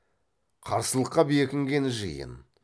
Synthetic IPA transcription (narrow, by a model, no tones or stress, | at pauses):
qʰɑɾsəlˠəqːɑbjekʲɪŋɡʲe̞nɪʒə̰jə̰n